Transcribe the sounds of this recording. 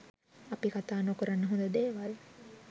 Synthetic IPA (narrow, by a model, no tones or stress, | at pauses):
ɐpikat̪aːnokuɾɐnːəɦõnd̪ɐd̪eːʋal